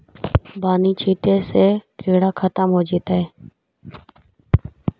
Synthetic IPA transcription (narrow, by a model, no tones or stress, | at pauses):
baːniːt͡ʃʰiːʈ̪eːseːkʰeːɽaːkʰət̪əmɦoːd͡ʒeːt̪aːeː